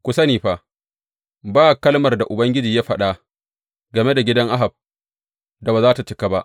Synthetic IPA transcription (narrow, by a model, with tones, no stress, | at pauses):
kʷʊ˨sɐ˦niː˨ɸa˨ | baː˦˨kɐ˦lmɐ˨rda˨ʔʊ˨bɐ˦ŋɡʲɪ˦d͡ʒiː˨ja˦ɸɐ˦ɗa˦ | ɡɐ˨me˦da˨ɡʲɪ˦dɐ˦ŋʔa˦ɦa˨b̚ | da˨ba˨zaː˦ta˨t͡ʃɪ˦ka˨ba˦ʔ